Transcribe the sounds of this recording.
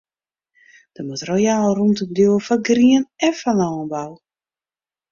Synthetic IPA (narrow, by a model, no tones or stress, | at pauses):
d̥əmatrojaːlˠrumtəmdjoːfaɡriənɛfanɔːnbaw